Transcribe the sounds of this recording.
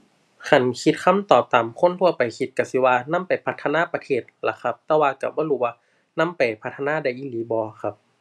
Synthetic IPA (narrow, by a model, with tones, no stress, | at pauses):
kʰa˧˩nkʰi˧t̪̚kʰa˧˥˨mt̪ɔː˨˩p̚t̪aː˨mkʰo˧˥˨nt̪ʰu˧˥˩əpa˨˩jkʰi˧t̪̚ka˧˩si˧˦waː˧na˧˥˨mpa˨jpʰa˧˥t̪ʰːa˧naː˧˥˨pa˧t̪ʰeː˧˩t̪̚la˧˩kʰa˧˦p̚t̪ɛː˧˥˦waː˧ka˧˩bɔː˧˦ɾuː˧˩˦waː˧ | na˧˥˨mpa˨jpʰa˧˥t̪ʰːa˧naː˧˥˨da˧˩jʔiː˧˨liː˨˦bɔː˧kʰa˧p̚